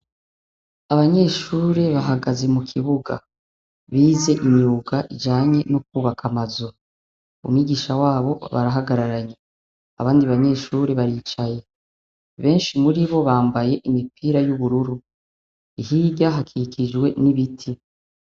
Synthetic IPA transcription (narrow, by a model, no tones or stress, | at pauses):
aβaɲe̞ʃuːɾe̞βaɦaɡaze̞mukʰiβuɡa̰ | βiːze̞ʔiɲuːɡaʔid͡ʒaːɲe̞nuk̚uːβakʰamazo | ṵmŋiɡiʃawaːβo̞βa̰ɾaɦaɡaɾaɾaɲe | a̰βaːndiβaɲe̞ʃuːɾeβaɾiːt͡ʃaje̞ | βe̞ːnʃimuɾiβo̞βaːmbaje̞ʔimipʰiːɾajuβuɾuɾu | ihiːɟaɦakʰikʰid͡ʒwe̞niβitʰi